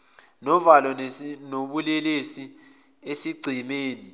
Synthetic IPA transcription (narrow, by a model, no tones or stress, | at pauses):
nɔvalɔnoɓulɛlesi | esiɡ͡ǀʱimeːni